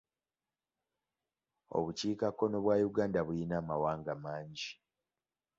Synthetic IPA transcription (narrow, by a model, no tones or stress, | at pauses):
o̞̰βuciːkakːo̞no̞βwaːjuɡaːndaβujinaːmawaːŋɡamaːɲɟi